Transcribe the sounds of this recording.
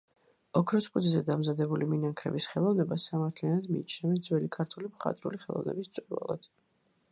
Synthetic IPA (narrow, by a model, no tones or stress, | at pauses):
ɔkʰɾɔspʼud̪izɛd̪amzad̪ɛbuliminaŋkʰɾɛ̰bisχɛlˠɔvnɛbasamaɾt̪ʰlianad̪miːt͡ʃʰnɛvɛnd̪zwɛlikʰaɾt̪ʰulimχa̰t̪ʼɾṵliχɛlˠɔ̰vnɛ̰bist̪sʼuɾva̰lˠa̰d̪̥